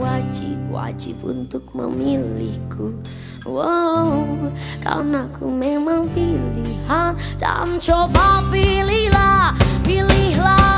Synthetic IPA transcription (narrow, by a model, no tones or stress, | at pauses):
ad͡ʒip̚wa̰d͡ʒipṵnt̪ʊk̚mə̰milihkʰu | wa | ka̰lnakʰumemaŋpilihand̥a̰mt͡ʃobapilihlapilihla